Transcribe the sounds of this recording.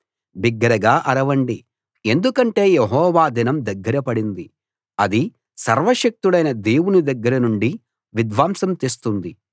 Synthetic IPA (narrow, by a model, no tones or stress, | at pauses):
biɡːɐɾɐɡaːʔɐɾɐʋɐɳɖi | e̞nd̪ukɐɳʈe̞ːjeɦɔːʋaːd̪inɐmd̪ɐɡːɐɾɐpɐɽind̪i | ɐd̪i | sɐɾʋɐʃɐk̚t̪uɽɐjnɐd̪e̞ːwunid̪ɐɡːɐɾɐnuɳɖi | ʋid̪ʋaːmsɐmt̪est̪und̪i